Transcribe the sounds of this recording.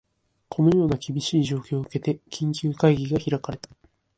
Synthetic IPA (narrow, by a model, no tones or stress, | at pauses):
kʰo̞no̞jo̞ːnakʲibʲiɕiːʑo̞ːkʲo̞ːɯke̞t̪e̞kʲʰĩɲkʲɨːkaiɡʲiɡaçiɾakaɾe̞t̪ḁ